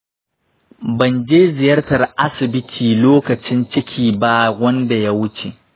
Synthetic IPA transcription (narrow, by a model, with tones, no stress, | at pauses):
bɐ˨nd͡ʒeː˦zɪ˨jɐ˦rtɐ˨rʔa˦sɪ˨bɪ˦tʰiː˨loː˦kɐ˨t͡ʃɪ˦nt͡ʃɪ˦kʲʰiː˨ba˦wɐ˦nda˨ja˦wʊ˦t͡ʃe˨